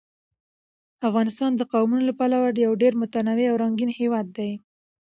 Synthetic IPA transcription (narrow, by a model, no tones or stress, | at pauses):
afɣɑnɪst̪ɑnd̪əqawmunolapalawaɾjawɖeɾmʊt̪anaweawɾaŋɡinhewɑd̪ːaj